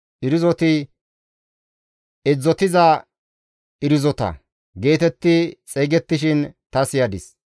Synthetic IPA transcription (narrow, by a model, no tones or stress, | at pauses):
ʔɪɾɪzɔt̪ɪ | ɛd͡zːɔt̪ɪzɐ | ɪɾɪzɔt̪ɐ̰ | ɡe̞ːt̪ɛt̪ːɪt͡sʼeːɡɛt̪ːɪʃɪnt̪ɐsɪjɐd̪ɪs